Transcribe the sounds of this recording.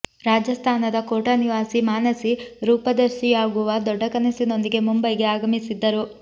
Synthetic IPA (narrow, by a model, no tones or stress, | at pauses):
ɾaːd͡ʒjɐst̪ʰaːnɐd̪ɐkoːʈɐniʋaːsimaːnɐsiɾuːpɐd̪ɐɾʃijaːɡuʋɐd̪ɔɖːɐkɐnɐsino̞nd̪iɡe̞mumbɐjɡe̞aːɡɐmisid̪ːɐɾu